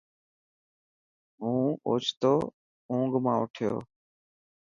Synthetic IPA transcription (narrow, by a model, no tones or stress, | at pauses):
ɦũːoːt͡ʃʰt̪oː | ũːŋɡmãːʊʈʰɪjo̰ː